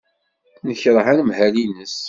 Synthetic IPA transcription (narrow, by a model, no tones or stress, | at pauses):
nəçɾˤɦanmhælinəs